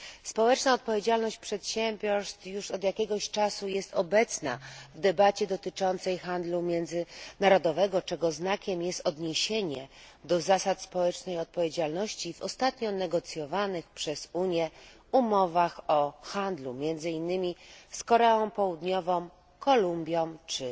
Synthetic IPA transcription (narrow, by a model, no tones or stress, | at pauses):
spɔwɛt͡ʂnaɔt̪̚pɔvʲjed͡ʑalnɔɕt͡ɕ̚pʂɛt̪ɕɛmbʲjɔɾst̪juʂɔd̪jakʲɛɡɔɕt͡ʂasujɛst̪ɔbɛt̪sna̰vd̪ɛbat͡ɕɛd̪ɔt̪ɘt͡ʂɔnt̪sɛjxand̪lumʲjɛnd̪zɘnaɾɔd̪ɔvɛɡɔt͡ʂɛɡɔznakʲɛmjɛst̪ɔd̪ɲeɕeɲɛ | d̪ɔzasat̪spɔwɛt͡ʂnɛjɔt̪̚pɔvʲjed͡ʑalnɔɕt͡ɕivɔst̪at̪ɲɔnɛɡɔt̪sʲjɔvanɘxpʂɛz̥uɲjɛ | umɔvaxɔxand̪lumʲjɛnd̪zɘinːɘmʲiskɔɾɛɔ̃w̃pɔwud̪ɲɔvɔ̃m | kɔlumbʲjɔ̃mt͡ʂɘ